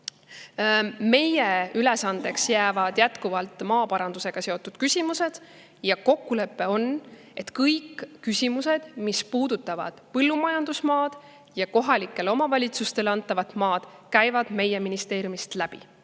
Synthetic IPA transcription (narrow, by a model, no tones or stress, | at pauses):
me̞je̞yle̞sɑnd̪̥e̞ksjæːvɑd̪̥jæt̪kuvɑlt̪ˑmɑːpɑɾɑnd̪use̞ɡ̥ɑse̞o̞t̪ːˑud̪̥kysʲimuse̞d̪̥ | jɑko̞kˑːule̞pːe̞o̞n | e̞t̪kɤjkːysʲimuse̞d̪̥mispuːd̪̥ut̪ːˑɑvɑ̰d̪̥pɤlːumɑjɑnd̪̥usmɑːd̪̥ | jɑko̞ɦɑlikːˑe̞lo̞mɑvɑlʲit̪sust̪e̞lɑnt̪ːˑɑvɑt̪mɑːd̪̥kæjvɑd̪̥me̞je̞minist̪e̞ːɾjumist̪læb̥ḭ